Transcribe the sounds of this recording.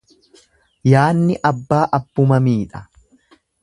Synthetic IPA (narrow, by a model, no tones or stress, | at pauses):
jaːnːɪʔɐbːaːʔɐbːʊmɐmiːᶑɐ̥